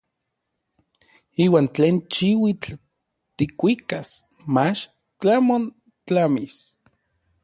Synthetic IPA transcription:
iːwaːnt͡ɬeːnt͡ʃiwit͡ɬ | t̪ikʷikas | mat͡ʃ | t͡ɬamon | t͡ɬamis

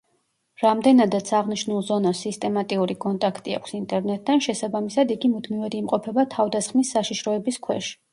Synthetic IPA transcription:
ɾamd̪ɛnad̪at̪sʰaʁniʃnulˠzɔnasːist̪ʼɛmat̪ʼiuɾikʼɔnt̪ʼakʰt̪ʼia̰kʷʰsint̪ʼɛɾnɛt̪ʼːanʃɛsabamisad̪iɡimud̪mivɛd̪iimqʼɔpʰɛbat̪ʰavd̪asχmisːaʃiʃɾɔɛbiskʰwɛ̰ʃi̥

